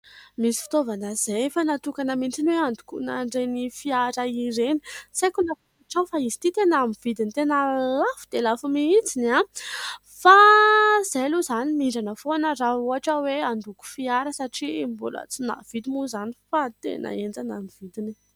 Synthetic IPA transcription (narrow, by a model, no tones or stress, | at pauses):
misi̥fi̥t̪ovanəz̥ejfanat̪ukanəmint͡sinweand̪u̥kuna̰ɳɖ͡ʐenifiaɾaiɾeni̥sekunapuaʈ͡ʂawfaizi̥t̪it̪enamiv̥id̪init̪enəlafu̥d̪̥elafumiit͡sina | faz̥eluzanimiɳɖ͡ʐanəfonərauaʈ͡ʂaweand̪uku̥fiaɾəsaʈ͡ʂimbṵlə̰t͡sina̰v̥id̪imuzanifat̪ḛnə̰end͡zanamiv̥id̪ini